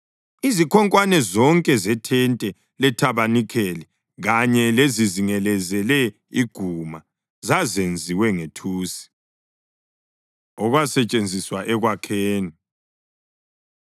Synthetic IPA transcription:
izikʰɔŋkʼwanɛzɔŋkʼɛzɛtʰɛntʼɛ | lɛtʰaβanikʰɛlɛ | ɣaɲɛleziziŋɛlɛzɛlɛ | iɡ̥ʱuma | zazend͡zʱiwɛŋetʰuːsi̥ | ɔɣwasɛt͡ʃʼend͡zʱiswaʔɛɣwakʰeːni

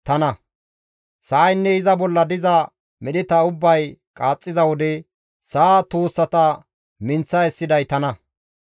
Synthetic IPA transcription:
t̪ɐnɐ | sɐːjnːɛɪzɐbɔlːɐd̪ɪzɐ | mɛɗɪt̪ɐʊbːɐjkʼaːt͡sʼːɪzɐwɔd̪ɛ | saːt̪oːsːɐt̪ɐ | mɪnt͡sːɐɛsːɪd̪ɐjt̪ɐnɐ

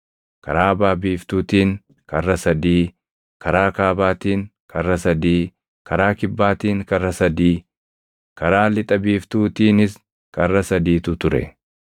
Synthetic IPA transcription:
kɐ̰ɾaːbaːbiːft̪uːt̪iːŋ | kɐrːɐsɐd̪iː | kʰɐɾaːkaːbaːt̪iːŋkʰɐrːɐsɐd̪iː | kɐɾaːkɪbːaːt̪iːŋkɐrːɐsɐd̪iː | kɐɾaːlɪt̪ʼɐbiːft̪uːt̪iːnɪs | kɐrːɐsɐd̪iːt̪ʊt̪ʊɾɛ̰

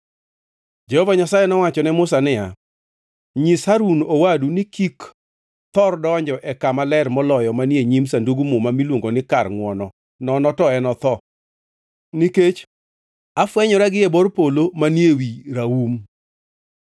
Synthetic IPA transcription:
d͡ʒɛhɔvaɲasajɛnɔwat͡ʃɔnɛmʊsanɪja | ɲishaɾunowadunɪkik | t̪ɔrdɔɲd͡ʒɔʔɛkamalɛrmɔlɔjɔmanjeɲimsanduɡumʊmamilwoŋɡonɪkarŋwɔnɔ | nɔnɔtɔɛnɔt̪ɔ | niket͡ʃ | afwɛɲɔɾaɡɪebɔrpolomanjewiɾaum

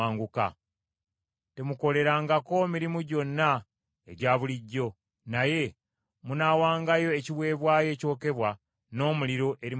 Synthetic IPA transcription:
aːŋɡuka̰ | te̞muko̞le̞ɾaːŋɡako̞miɾimuɟo̞nːa | e̞̰ɟaːβuliɟːo̞ | naje̞ | munaːwaːŋɡajo̞eciβwe̞ːβwaːje̞ːco̞ːke̞βwa | no̞ːmuliɾo̞ʔe̞ɾi

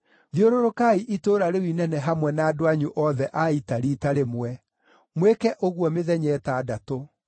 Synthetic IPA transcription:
ðjoɾoɾokaiʔitoɾaɾewinɛnɛɦamwɛnaːdoaɲuʔɔðɛʔaitaɾiːtaɾemwɛ | mwekɛʔoɣwɔmeðɛɲɛːtaːdato

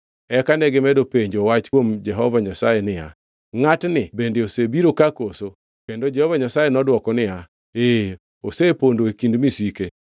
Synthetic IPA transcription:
ɛkanɛɡɪmɛdopeɲd͡ʒowat͡ʃkwomd͡ʒɛɦɔvaɲasajenɪja̰ | ŋatnɪbendeosebiɾokakoso | kendod͡ʒɛhɔvaɲasajenɔdwɔkɔnɪja | e | osepondoekindmisike

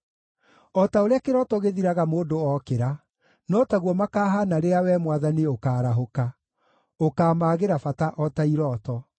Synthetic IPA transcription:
ɔtaoɾeakeɾɔːtɔɣeðiɾaɣamoːdoɔkeɾa | nɔtaɣwɔmakaːɦanaɾeawɛmwaðaniokaːɾaɦoka | okaːmaːɣeɾafataʔɔtaiɾɔːtɔ

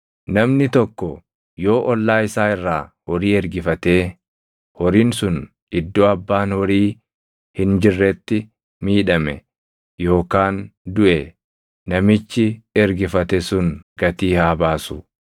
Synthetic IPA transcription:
nɐmnɪt̪ɔkːɔ | jo̞ːʔɔlːaːɪsaːɪrːaːhɔɾiːɛɾɡɪfɐt̪e̞ː | hɔɾiːnsʊn | ɪd̪ːoːɐbːaːnhɔɾiː | hɪnd͡ʒɪrːɛt̪ːɪ | miːᶑɐmɛ | jo̞ːkaːnd̪ʊʔɛ | nɐmɪt͡ʃːɪɛɾɡɪfɐt̪ɛsʊnɡɐt̪iːhaːbaːsʊ

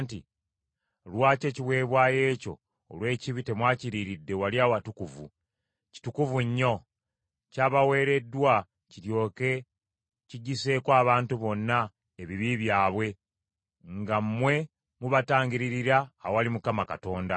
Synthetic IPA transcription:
nti | lwaːce̞ːciβwe̞ːβwaːje̞ːco̞̰ː | lwe̞ːciβite̞mwaːciɾiɾidːe̞waljaːwatukuvṵ | ci̥tukuvuɲːo̞ | caːβawe̞ːɾe̞dːwa | ciɾjo̞ːke | ciɟise̞ːkwaːβaːntuβo̞nːa | eβiβiβjaːβwe̞ | ŋɡammːwe̞ | muβataːɲɟiɾiɾiɾawalimukamaka̰to̞ːnda̰

